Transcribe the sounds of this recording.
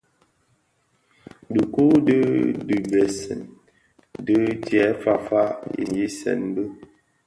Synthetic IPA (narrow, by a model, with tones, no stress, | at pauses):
də˨ku˦də˦dɨ˨bɛ˨sɛ̰˨n | də˦tɛ˨˦fa˦˨fa˦ḭ˨nji˦sɛ̰˨nbə˦